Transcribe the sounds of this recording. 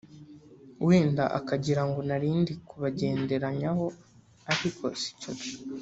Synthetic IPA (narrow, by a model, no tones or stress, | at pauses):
wiːnda̰ʔa̰kaɟiɾaŋɡonaɾiːndikuβaɟe̞ːnde̞ɾaɲaho̞ | aɾikʰo̞si̥cuni